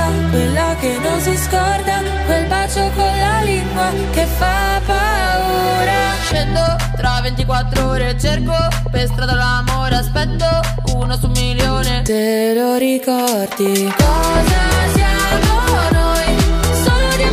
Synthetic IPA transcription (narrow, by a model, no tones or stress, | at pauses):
kwelːakenːonsiskɔrd̪a | kwelpat͡ʃːokolːaliŋɡwa | kefːa | pa | uːɾa | pɛnd̪o | t̪ɾavent̪ikwat̪ːɾooːɾet͡ʃerko | pest̪ɾad̪alamoːɾeaspɛt̪ːo | unosumːiljoːnet̪e | loɾikɔ | rd̪i | kɔ | zasjaːmonojsoːlod̪i